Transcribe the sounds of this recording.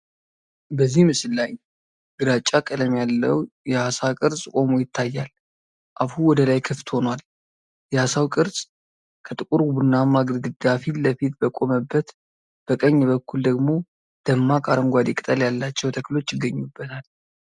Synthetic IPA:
bəzːihmɨsɨlːaj | ɡ̥ɨɾat͡ʃʼːakʼələmjalːə̰wjɛhasakʼɨɾsʼkʼo̞mujɪt̪ːajːal | ʔaβhuwɔd̪əlajkʰɨft̪ho̞nwal | jɛhasawkʼɨɾsʼ | kʰət̪ʼɨkʼuɾbunːamaɡɾɡɨd̪afiləfit̪bəkʼo̞məbːət̪ | b̥əkʼəɲːɛβəkːuld̪əɡmo̞ | d̪̥əmːakʼaɾəmɡʷad̪ekʼt̪ʼəljalːat͡ʃːɛwt̪ʰəkːlo̞t͡ʃːjɪɡːəɲːubːət̪ʰal

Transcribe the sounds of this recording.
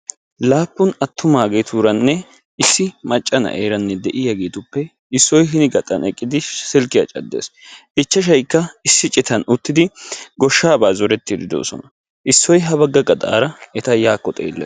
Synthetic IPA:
laːpːʊnɐt̪ːʊmaːɡet̪uːɾɐnːɛ | ɪsːɪmɐt͡ʃʼːɐnɐ̰ʔeːɾɐnːɛd̪ɛʔɪjɐɡeːt̪ʊpːɛ | ɪsːɔjɦɪnɪɡɐt̪ʼɐ̰nɛkʼːɪd̪ɪsɪlkːɪja̰ːt͡ʃʼɐ̰d̪ːḛːsʔɪt͡ʃːɐʃ̬ɐjkːɐɪsːɪt͡ʃʼɪt̪ɐnʊt̪ːɪd̪ɪɡɔʃːaːbaːzɔɾɛt̪ːɪd̪ɪd̪o̰ːsɔ̰nɐ | ʔɪsːɔjɦɐbɐɡːɐɡɐd̪a̰ːɾɐɛt̪ɐjaːkːɔt̪ʼḛːlːɛ̰

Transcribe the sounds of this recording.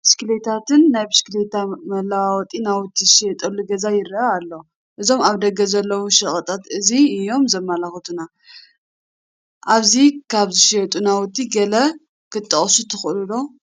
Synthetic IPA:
skɨlet̪ʰat̪ɨnːajβskɨlet̪ʰamɐlawawɔt̪ʼinawʊt̪ʰːizɨʃiɛt̪ʼɐlːuɡɐzajɪɾaalːo | ʔɨzo̞maβd̪ɐɡɐzɐlːɐwuʃɐχʼɐt̪ʼat̪ɨziɨjo̞mzɐmːalaxɨt̪ʰuna | ʔaβzikʰaβzɨʃiɛt̪ʼunawʊt̪ʰːiɡɐlɐ | kʰɨt̪ʼːɐχʼsut̪ʰɨxʔɨlulo̞

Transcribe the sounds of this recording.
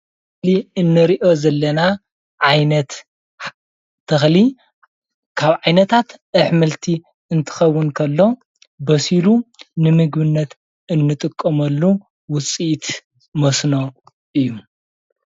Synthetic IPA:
ɨliɨnːɨɾiʔo̞zɐlːɐna | ʕajnɐt̪ | t̪ʰːɨxli | kʰaβʕajnɐt̪ʰat̪ʔɨħmɨlt̪ʰi | ɨnt̪ʰɨ̥xɐwːɨnkʰɐlːo̞ | bɐsilunɨmɨɡbɨnːɐt̪ | ɨnːɨt̪ʼɨkʼːɐmɐlːu | wʊt͡sʼiʔt̪ | mɐsno̞ | ʔɨjːu

